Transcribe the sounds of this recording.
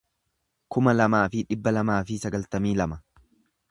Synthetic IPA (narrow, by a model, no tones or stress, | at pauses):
kʊmɐlɐmaːfɪᶑɪbːɐlɐmaːfɪsɐɡɐlt̪ɐmiːlɐmɐ